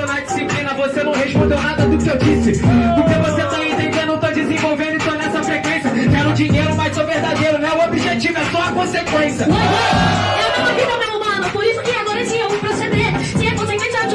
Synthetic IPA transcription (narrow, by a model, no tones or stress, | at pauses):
nad͡ʒisiplĩnɐvosenɐ̃w̃heʃpõnd̪ewnad̪ɐd̪ʊkɪewd͡ʒisɪpʊɾkevoset̪aẽt̪ẽd̪ẽnɐ̃w̃t̪od͡ʒizĩvowvẽd̪ʊɪ̃t̪oɐnɛsɐfɾekwẽsjɐkɛɾʊ̃d͡ʒiɲejɾʊmajt̪ovehd̪ad̪ejɾʊnɛʊobiʒet͡ʃivʊɛsuɐkõsekwẽsjɐooẽɛɐvid̪ɐ̃meʊmɐ̃nʊpoɾisʊkɪaɡɔɾɐkĩewɪ̃pɾosed̪eɾkĩɛkõsẽkmẽt͡ʃad͡ʒ